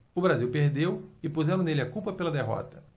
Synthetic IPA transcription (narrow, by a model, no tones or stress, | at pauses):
ʊbɾaziwpeɾd̪ewɪpuzɛɾɐ̃nelɪakupɐpelɐd̪eɦɔ̰t̪ɐ